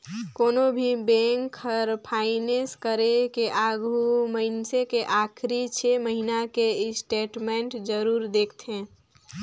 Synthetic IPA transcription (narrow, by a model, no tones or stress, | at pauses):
koːnobʱibẽŋkəɾpʰaɪneskəɾekeʔaɡʱuməɪnsekeʔakʰɾit͡ʃʰeməɦinakesʈeːʈmeɳʈd͡ʒəɾuːɾd̪eːkʰt̪ẽ